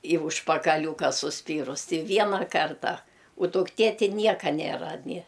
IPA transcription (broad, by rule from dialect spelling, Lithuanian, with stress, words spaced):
iː ʊʃpɐkɐˈlʲuːkɐ sʊˈsʲpʲiːrʊs tʲɪ ˈʋʲiɛnɐ ˈkɐrtɐ ʊ dʊkˈtʲeː tʲɪ ˈnʲiɛkɐ ˈnʲeːrɐ nʲɪ